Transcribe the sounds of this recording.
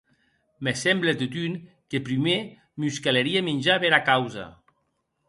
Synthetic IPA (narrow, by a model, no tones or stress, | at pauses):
mesɛmblet̪ot̪yn | kepɾime | muskaleɾiemenʲd͡ʒaβeɾakawza̰